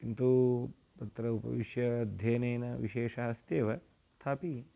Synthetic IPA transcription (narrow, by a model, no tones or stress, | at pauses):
int̪uː | pɐt̪ɾɐupɐ̰ʋiʃjɐːd̪ʱjeːneːnɐʋḭʃeːʂɐɦɐst̪jeːʋɐ | st̪ʰaːpi